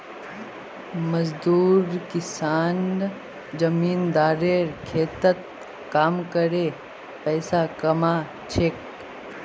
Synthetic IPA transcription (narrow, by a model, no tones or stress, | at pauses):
mɐzd̪uːɾkɪsaːn | d͡ʒɐmiːnd̪aːɾeːɾkʰeːt̪ət̪̚ | kaːmkəɾeː | pɛːsakɐmaː | t͡ʃʰeːk